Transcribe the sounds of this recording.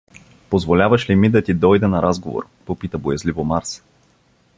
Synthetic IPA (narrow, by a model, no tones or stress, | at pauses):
pozvolʲavəʃlimid̪ɐt̪id̪ɔjd̪ɛnɐɾazɡovo̰ɾ | popit̪əbojɐzlivomaɾs